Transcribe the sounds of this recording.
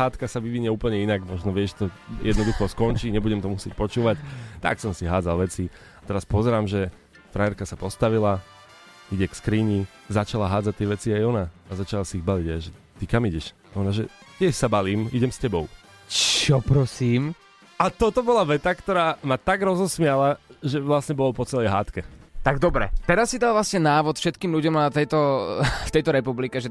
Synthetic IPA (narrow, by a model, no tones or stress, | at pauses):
aːt̪kasaʋiʋiɲɛuːpl̩ɲɛinaɡmɔʒnɔʋɪɛʒɛt̪ɔjʔɛ̰d̪nɔd̪uxɔskɔnt͡ʃiːɲɛbuɟɛmt̪ɔmusɪɛc̚pɔt͡ʃuːʋact̪a̰ksɔmsiɦaːd͡zalʋɛt͡si | at̪ɛɾaspɔzɛɾaːmʒɛ | fɾajɛɾkasapɔst̪aʋila | iɟɛkskɾiːɲi | zat͡ʃalaɦaːd͡zac̚t̪ɪɛʋɛt͡siajɔnaːzat͡ʃalasiiɣbaliɟaʒɛt̪ikamiɟɛʃ | ɔnaʒɛt̪ɪɛʃsabaliːmiɟɛmscɛbɔʊ | t͡ʃɔpɾɔsiːm | at̪ɔt̪ɔbɔlaʋɛt̪akt̪ɔɾaːmat̪aɡɾɔzɔsmɪalaʒɛʋlasɲɛbɔlɔpɔt͡sɛlɛjɦaːt̪kɛt̪aɡd̪ɔbɾɛ̰t̪ɛɾasːid̪alˠʋlasɲɛnaːʋɔt̪fʃɛt̪kiːmʎuɟɔmat̪ɛjt̪ɔft̪ɛjt̪ɔɾɛpublikɛʒɛ